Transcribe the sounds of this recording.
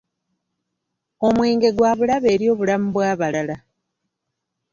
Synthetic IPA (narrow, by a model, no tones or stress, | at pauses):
o̞mweːŋɡe̞ɡwaːβulaβe̞ːɾjo̞ːβulam̩bwaːβalala